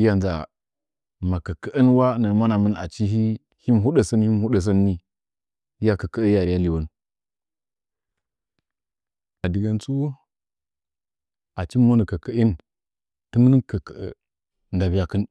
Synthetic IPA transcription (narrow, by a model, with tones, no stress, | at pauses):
i˦ja˨nza̰˨ | ma˨kə˨kə˦ʔə˦nwa˦nə˨ma˦na˨mə˦na̰˨t͡ʃi˦ɦi˦ | hi˦m˨ɦu˦ɗə˨sə˦nhi˦mhu˦ɗə˨s̬ə˦nːi˦ | i˦ja˨kə˨kə˦ə˦ja˨ɾi˨ja˦li˨wu˦n | a˨di˨ɡa˨nt͡su˦ | a˨t͡ʃi˦mo˦nə˨kə˨kə˨˦ʔi˦n | tə˦m˦nə˦kə˨kə˨ə̰˨ | nɡa˨bi˦ja˦kə˦n